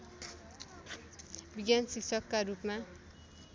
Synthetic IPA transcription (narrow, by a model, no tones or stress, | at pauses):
biɡansiksʌkːaɾupma